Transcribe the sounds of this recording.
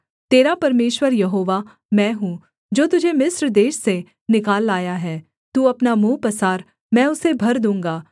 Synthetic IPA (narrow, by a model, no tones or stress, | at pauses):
t̪eːɾapɐɾmeːʃwəɾjɐɦoːʋaː | mɛ̃ːɦũː | d͡ʒoːt̪ʊd͡ʒʱemɪsɾd̪eːʃse | nɪkaːlːaːjaɦɛː | t̪uːɐpnamũːpəsaːɾ | mɛ̃ːʊsebʱɐɾd̪ũːŋɡaː